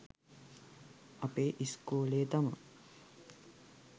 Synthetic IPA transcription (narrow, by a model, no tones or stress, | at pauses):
ɐpeːʔiskuːleːt̪ɐmə̰